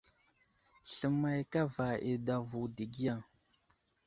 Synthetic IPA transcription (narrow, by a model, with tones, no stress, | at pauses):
ɬə˨mːa˨jka˦va˨ʔḛ˨da˨vu˨di˨ɡi˦ja˦˨ŋ